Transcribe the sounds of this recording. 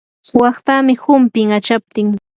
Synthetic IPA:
wɑχt̪amɪhʊmpɪŋat͡ʃap̚t̪ɪŋ

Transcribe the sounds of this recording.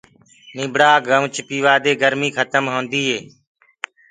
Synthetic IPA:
nɪ̃ːbʱɽaːɡʱəmt͡ʃʰpiːʋaːd̪eːɡəɾmiːkʰət̪əmɦõːnd̪iːɦeː

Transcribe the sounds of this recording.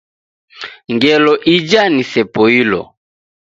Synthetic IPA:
ŋɡɛlɔʔid͡ʒanisɛpɔilɔ̰

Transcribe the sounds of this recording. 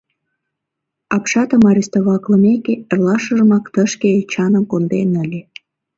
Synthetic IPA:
ɑpʃɑt̪əmɑɾʲist̪oβɑkləmekeerlɑʃə̆ʒə̆mɑkt̪əʃkeet͡ɕɑnəmkond̪enəlʲe

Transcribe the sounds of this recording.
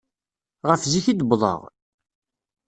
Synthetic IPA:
ʁəfziçid̪əbðˤə̰ʁ

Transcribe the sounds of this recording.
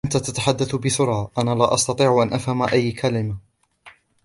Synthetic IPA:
ʔant̪at̪at̪aħad̪ːaθbɪθʊɾˤɑːʔanaːlaːʔɑst̪ɑt̪ˤiːʕʔanʔafhamaʔajːkʰalɪma

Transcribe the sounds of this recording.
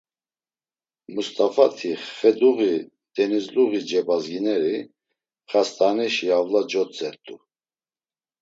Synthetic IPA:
must̪ʼafat̪ʰiχːɛd̪uɣi | d̪̥ɛnizluʁid͡ʒɛbazɡinɛɾi | χast̪ʼanɛʃiavlad͡ʒɔt͡sʼɛɾt̪ʼu

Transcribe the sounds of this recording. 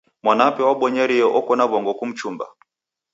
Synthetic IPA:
mwanapɛwaɓɔɲaɾiɔʔɔkɔnaβɔŋɡɔkum̩t͡ʃumba̰

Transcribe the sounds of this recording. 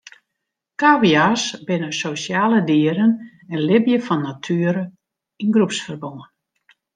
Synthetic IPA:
kawiasbɪnəsosjaːlədiəɾən | ɛnlɪbjəfɔnːatʰyəɾə | inɡrupsfərboŋən

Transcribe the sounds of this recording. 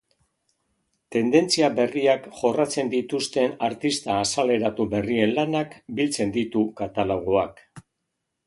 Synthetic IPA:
t̪e̞nd̪e̞nt͡siabe̞riakʝo̞rat͡se̞nd̪it̪ust̪e̞naɾt̪ist̪aːsale̞ɾat̪ube̞rie̞nlanakbilt͡se̞nd̪it̪ukat̪aloɣ̞oak

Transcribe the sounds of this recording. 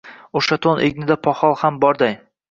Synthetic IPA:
oʃat̪ʰonʔḛɡnɪd̪apʰɒhɒlˠhambɒɾd̪aj

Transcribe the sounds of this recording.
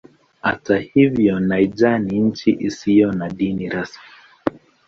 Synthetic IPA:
ha̰tahivjɔnaid͡ʒaniɲ̩t͡ʃiʔisijɔnaɗiniɾasmi

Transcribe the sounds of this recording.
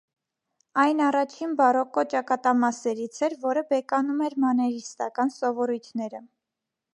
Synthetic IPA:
ɑjnɑrɑt͡ʃʰinbɑrɔkɔt͡ʃɑkɑt̪ɑmɑsɛɾit͡sʰɛɾvɔɾəbɛkɑnumɛɾmɑnɛɾist̪ɑkɑnsɔvɔɾujt̪ʰnɛɾə

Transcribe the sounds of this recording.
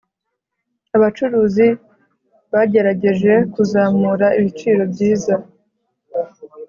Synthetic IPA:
aβat͡ʃuɾuːzi | βaɟe̞ɾaɟe̞ʒe̞kuzaːmuːɾaiβit͡ʃiːɾo̞bɟiːza

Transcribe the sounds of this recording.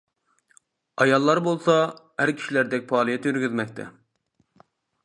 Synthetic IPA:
ɑjɑlˠːɑɾbolˠsɑhæɾkʲʰi̥ʃilæɾd̪ɛk̚ʲpʰɑːlˠijɛt̪jyɾɡʲyzmɛk̚ʲt̪ʰɛ̰

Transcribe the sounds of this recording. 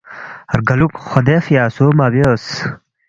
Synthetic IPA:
ɐɾɡɐlukxod̪efjaːsomaːbeos

